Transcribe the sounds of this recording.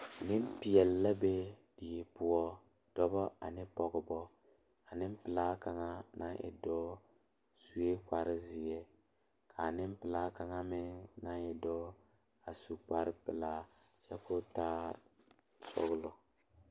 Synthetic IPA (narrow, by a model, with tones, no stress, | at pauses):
nɪ˦m˦pɪ˨jɛ˨lːa˦be˦dɪ˨ɛ˨pʊ˦ɔ˦ | d̥ɔ˦bɔ˦ʔa̰˨nɪ˦pɔ˨ɡɪ˨bɔ˦ | a˨nɪ˦m˦pɪ˨laː˦ka˨ŋa˦na˦ʔɪ̰˨dɔː˦ | su˨e˦k͡pa˨ɾɪ˦zɪ˨ɛ˦ | kʰa˨nɪ˦m˦pɪ˨laː˦ka˨ŋa˦mɪ˦ŋna˦ɛ˨dɔː˦ | a˨su˨k͡pa˦ɾɪ˦pɪ˨laː˦t͡ʃɛ˦kʊ˦taː˦ | sɔ̰˦ɣlʊ˨